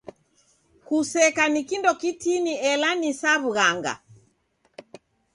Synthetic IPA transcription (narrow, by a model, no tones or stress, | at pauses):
kusɛkanikindɔkitiniɛlanisaβuɣaŋɡa̰